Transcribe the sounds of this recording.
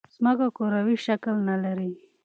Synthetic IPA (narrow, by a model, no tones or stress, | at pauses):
zmakakoɾawiʃaklnalaɾi